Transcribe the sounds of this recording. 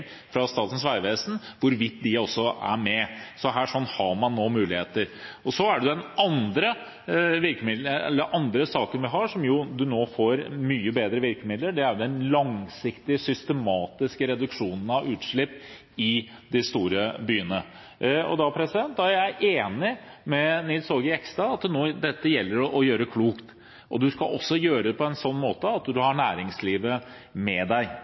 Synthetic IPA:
fɾɑst̪ɑːt̪n̩sʋæɪʋeːsn̩ʋʊɾʋɪt̪ːd̪ɪɔsːɔæ̰ɾmɛsɔɦæːʂɔnːhɑɾmɑnːoːmʉːlɪheːt̪əɾɔsɔæɖɛɛd̪ɛnʔɑnd̪ɾə | ʋɪɾkəmɪd̪ɛ̰lːəɾʔɑnd̪ɾəsɑːkənʋɪɦɑʂɔmjʊd̪ʉnoːfoːɾmyːəbeːd̪ɾəʋɪɾkəmɪd̪ləɖɛæɾʊd̪ɛnlɑŋsɪkt̪ɪsʏst̪əmɑːt̪ɪskəɾɛd̪ʉkʂuːnən̩ɑʋʉːt̪ʂɭɪpː | ɪ | d̪ɛst̪uːɾəbyːənə | ɔ̰d̪ɑpʰɾɛsɪd̪ɛnt̪ːæɾæɪʔeːnɪmɛnɪlsoɡəɪɛkst̪ɑɑt̪noːd̪ɛt̪ːəjɛlːəɾɔjøːɾəkʰluːkt̪ | ʔɔd̪ʉskɑʔɔsːɔjøːɾəd̪ɛpʰɔɛnsɔnːmoːt̪əɑt̪d̪ʉhɑɳæːɾɪŋsliːʋə | mɛd̪æɪ

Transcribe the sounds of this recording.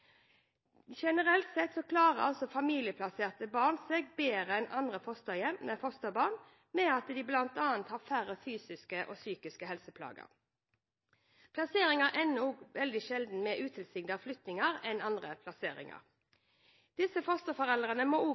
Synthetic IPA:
ʃɛnəʁɛlt̪sɛt̪sɔkʰlɑːʁəɑ̰lsɔfɑmiːlɪəpʰlɑseːʁt̪əbɑːʁnsɛɡbeːʁəɛnʔɑnd̪ʁəfɔst̪əjɛmnɛfɔst̪əbɑːʁn | mɛɑt̪d̪iːblɑnt̪ɑːɑnt̪hɑːʁfæʁəfyːsɪskəʔo̰ːsyːkɪskəhɛlsəpʰlɑ̰ːɡə̰ʁ | pʰlɑseːɾɪŋəʔɛnuːɡʋɛld̪ɪʃɛld̪n̩mɛʔʉːt̪ʰɪlsɪɡd̪ɑflʏt̪nɪŋɑʁɛnɑnd̪ʁəpʰlɑseːɾɪ̰ŋɑ̰ʁ | d̪̥ɪsəfɔst̪əfɔʁɛlʁənəmouː

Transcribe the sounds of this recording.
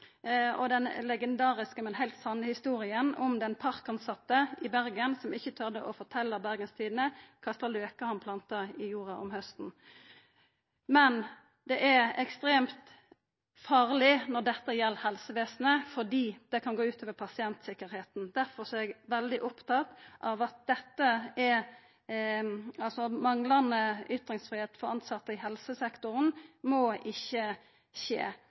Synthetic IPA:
ɔd̪ɛnlɛɡɛnd̪ɑːʁɪskəmɛnhæɪlt̪sɑnːəhɪst̪uːɾɪənɔmd̪ɛnpʰɑʁkɑnsɑt̪ːəɪbæɾɡənsɔmɪçːət̪ʰœʁd̪əʔɔfɔt̪ʰɛlːəbæʁɡənst̪ʰiːd̪ən̩əkʰɑst̪əløːkəhɑnpʰlɑnt̪əɪjuːʁɑʔɔ̰mhœst̪n̩ | mɛn | d̪ɛʔɛɾɛkst̪ʁeːmt̪ | fɑːʁlɪnɔʁd̪ɛt̪ːəjɛlːhɛlsəʋeːsn̩əfɔd̪iːd̪̥ɛkʰɑnɡoːʉːt̪ʰøːʋəpʰɑsɪɛnt̪sɪkːəɾheːt̪n̩d̪æɾfɔʁsɔɛɡʋɛld̪ɪʔɔpt̪ʰɑt̪ʔɑʋɑt̪̚d̪̥ɛt̪ːəɛ | ɑlsɔmɑŋlɑnəʏt̪ɾɪŋsfʁiːheːt̪fɔʁɑnsɑt̪ːəɪhɛlsəsɛkt̪ʊʁənmɔʔɪçːə | ʃḛː

